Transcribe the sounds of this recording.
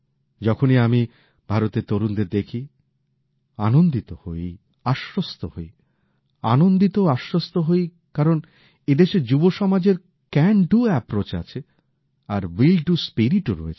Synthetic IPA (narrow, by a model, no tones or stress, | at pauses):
d͡ʑɔkʰoniami | b̥ʱaɾot̪et̪oɾund̪eɾd̪ekʰi | anond̪it̪oho̰j | aʃɾost̪ohoj | a̰nond̪it̪oaʃɾost̪oɦoj | kaɾon | ed̪eʃed͡ʑuboʃɔmad͡ʑeɾ | kɛnɖuɛpɾot͡ɕa̰t͡ɕʰe | aɾwilɖuspiɾiʈoɾo̰et͡ɕʰ